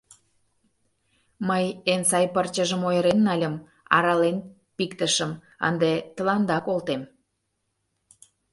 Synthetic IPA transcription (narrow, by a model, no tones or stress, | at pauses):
məjensɑjpərt͡ɕəʒəmojəɾenːɑlʲəm | ɑ̰ɾɑlen | pikt̪əʃəm | ə̰nd̪et̪ə̆lɑnd̪ɑkolt̪em